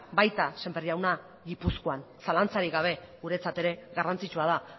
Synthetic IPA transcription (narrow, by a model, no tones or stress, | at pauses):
bajt̪ase̞mberiawna | ɣipuskoan | salant͡saɾiɣaβ̞e̞ɣuɾe̞t͡sat̪e̞ɾe̞ɣarant͡sit͡ʃuað̞a